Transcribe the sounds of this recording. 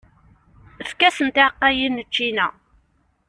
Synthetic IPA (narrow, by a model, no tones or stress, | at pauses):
əfkæsənt̪ɪʕqːæjinːət͡ʃːinæ